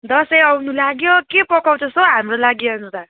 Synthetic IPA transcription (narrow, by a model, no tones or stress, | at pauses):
d̪ʌsʌjʌwnulaɡjokepʌkawt͡sʰʌsʌɦamrolaɡjʌnõt̪a